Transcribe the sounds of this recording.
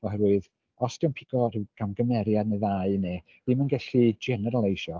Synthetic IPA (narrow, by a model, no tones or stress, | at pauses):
ɔhɛɾwʊð | ɔsd̥ɪwnpʰɪɡ̥ɔrɨwɡ̥amɡəmɛɾjadnəðaɨne | ðimənɡɛɬid͡ʒɛnɛɾalˠejʃɔ